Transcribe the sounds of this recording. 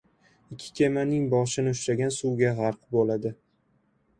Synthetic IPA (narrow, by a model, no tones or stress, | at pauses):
ɪkʲʰːɪ̥kʲʰemanɪŋbɒʃɪnɪʊʃɾaɡʲansuɡʲaʁɑɾqbolad̪ɪ